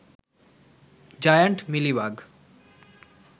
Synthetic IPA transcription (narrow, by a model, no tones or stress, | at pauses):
d͡ʑajaɳʈmilibaɡ